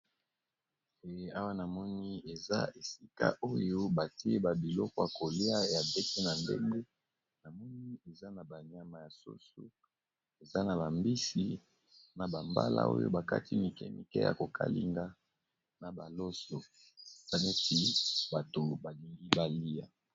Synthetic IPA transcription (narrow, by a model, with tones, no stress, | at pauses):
e˨˦a˦wa˦na˨mɔ˦ni˦e˨za̰˦e˨si˦ka̰˦ʔo˦jo˦ba˨ti˦e˦ba˨bi˨lɔ˦kɔ˦a˨ko˨li˦a˦˨ja˨be˦ki˦na˨ndḛ˦ŋɡe˦ | na˨mɔ˦ni˦e˨za˦na˨ba˨ɲ˨a˦ma˨ja˨so̰˦so̰˦ | e˨za˦na˨ba˨mbi˦si˨ | na˨ba˨mba̰˦la̰˦o̰˦jo̰˦ba˨ka˦ti˦mi˨kɛ̰˦mḭ˨kɛ̰˦ja̰˨ko˨kʰa̰˦lḭ˦ŋɡa˦ | na˨ba̰˨lo˦so˨ | e˨za˦ne˦ti˦ba˨to˨ba˨li˨ŋɡi˦ba˨li˦a̰˦